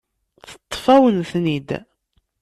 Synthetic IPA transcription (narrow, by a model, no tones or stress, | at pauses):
θə̥t̪ˤːfæwənθnid̪